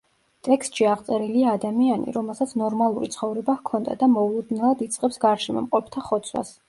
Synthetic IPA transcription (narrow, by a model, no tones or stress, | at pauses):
t̪ʼɛkst̪ʼʃiaʁt̪sʼɛɾiliaːd̪amianḭɾɔmɛlˠsat̪sʰnɔɾmalˠuɾit̪sʰχɔvɾɛbakʰɔnd̪a̰d̪amɔulˠud̪nɛlˠad̪it̪sʼqʼɛpsɡaɾʃɛmɔ̰mqʼɔp̚ʰt̪ʰaχɔt̪sʰwa̰s